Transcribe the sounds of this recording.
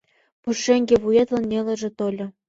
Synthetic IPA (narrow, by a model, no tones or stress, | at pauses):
puʂĕŋʲɡʲeβujet̪lɤ̆nʲːelʲɘ̆ʒĕt̪olʲɤ̆